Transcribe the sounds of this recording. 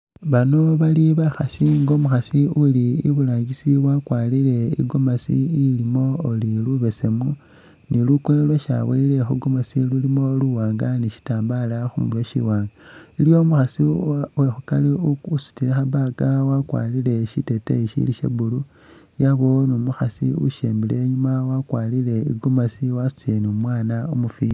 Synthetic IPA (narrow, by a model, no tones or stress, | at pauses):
βano̞βaliβaxasiŋɡo̞ːmuxasiuliḭβulaːɲɡisiwakwaːlile̞ḭɡomasḭːlimo̞oliluβe̞se̞mu | nilukelwaʃa̰weilexuɡomasilulimo̞luwaːŋɡaniʃi̥taːmbalaxumulwoʃḭwaːŋɡailjo̞muxasiwexukaleusu̥tilexaβaɡawakwa̰ːlile̞ʃitetḛiʃḭliʃḛβulu | jaβo̞nomuxasiṵʃeːmbileɲumawakwaːlile̞ḭɡomasiwasu̥t͡senumwaːnaomufi